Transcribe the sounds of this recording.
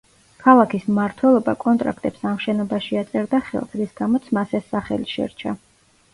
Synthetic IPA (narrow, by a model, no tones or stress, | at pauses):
kʰalˠakʰismaɾt̪ʰwɛlˠɔbakʼɔnt̪ʼɾa̰kʰt̪ʼɛpsamʃɛnɔbaʃiat̪sʼɛɾd̪aχɛ̰lˠsɾisɡ̥amɔt̪sʰmasɛsːaχɛ̰liʃɛ̰ɾt͡ʃʰa